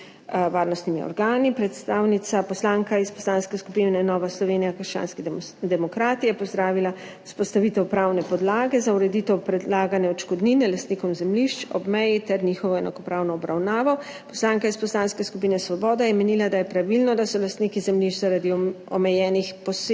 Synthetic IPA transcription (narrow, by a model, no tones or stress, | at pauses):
ʋaːɾnɔst̪nimiɔ̰ɾɡaːnipɾɛt̪st̪aːwnit̪sapɔslaŋkaispɔslaːnskɛskupinɛnɔːʋaslɔʋeːnijakəɾʃt͡ʃa̰ːnskid̪ɛmɔkɾaːt̪ijɛpɔzd̪ɾaːʋila | u̥spɔst̪aʋit̪ɛwpɾaːwnɛpɔd̪laːɡɛzauɾɛd̪it̪ɛwpɾɛd̪laːɡanjɛɔt͡ʃkɔd̪ninɛlast̪nikɔmzɛmliʃt͡ʃɔ̰bmɛjit̪ɛɾnixɔʋɔɛna̰kɔpɾaːwnɔːbɾawnaːʋɔ | pɔslaːŋkaispɔslaːnskɛskupinɛsʋɔbɔːd̪ajɛmɛnilad̪ajɛpɾaʋilnɔd̪asɔlast̪nikizɛmliʃt͡ʃzaɾad̪iɔ̰mɛjɛːnixpɔs